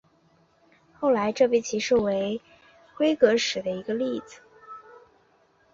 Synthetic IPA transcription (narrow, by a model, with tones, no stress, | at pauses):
xo˥˩ʊla˧˥ɪʈ͡ʂɤ˥˩p̬i˥˩t͡ɕʰi˧˥ʂɻu˥˩we˧˥ɪ | kwe˥ɪkɤ˧˥ʂɻ̩˨˩d̪ə˦i˧˥ɡə˧li˥˩d͡zɹ̩˨˩